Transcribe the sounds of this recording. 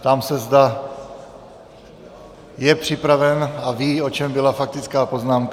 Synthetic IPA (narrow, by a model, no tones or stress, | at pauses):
t̪amsɛzd̪a | jɛpr̝̥ɪpɾavɛnaviːo̞t͡ʃɛmbɪlafak̚t̪ɪt͡skaːpo̞znaːmk